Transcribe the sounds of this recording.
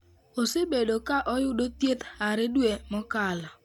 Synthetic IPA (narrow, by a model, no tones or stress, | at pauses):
osebedokaʔɔjʊdot̪jet̪aɾɪdwemɔkala